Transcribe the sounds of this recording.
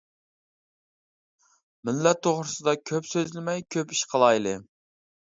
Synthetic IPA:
mɪnlɛt̪ʰːoʁɾɨsɨd̪ɑkʲʰøpsøzlɪmɛjkʲʰøpiʃqʰəlˠɑjlˠɨ

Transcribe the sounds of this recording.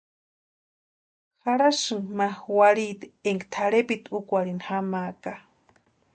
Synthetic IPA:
xaɾaʃɨŋmaxwaɾit̪eŋkt̪ʰaɽepit̪ukʷaɽinxamaːka

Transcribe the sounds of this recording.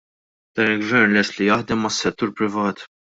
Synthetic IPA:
d̪̥ɐːnɪlɡvɛɾnlɛst̪lijɐħd̪ɛmːɐsːɛt̪ːuːɾpɾɪvɐːt̪

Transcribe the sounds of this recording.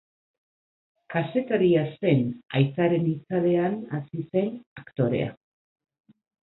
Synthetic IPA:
kase̞t̪aɾiase̞na̰jt͡saɾe̞nit͡saðe̞anasise̞nakt̪o̞ɾḛa̰

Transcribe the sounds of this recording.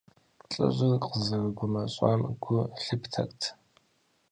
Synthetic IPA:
ɬʼɐ̰ɕʼɪrqəzɐrɨɡʷʊmɐɕʼa̰mɡʷʊɬɨptʰɐ̰kʼtʰ

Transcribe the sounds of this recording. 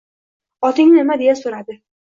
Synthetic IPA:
ɒt̪ʰɪŋnɪnɪmad̪e̞jasoɾad̪ɪ

